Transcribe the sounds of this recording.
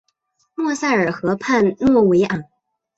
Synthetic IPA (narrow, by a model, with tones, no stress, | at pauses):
mwɔ˥˧sa˥˩ə˞˨˩xɤ˧˥pʰa˥˧nnwɔ˥˩we˧˥ɪʔa˨˩˦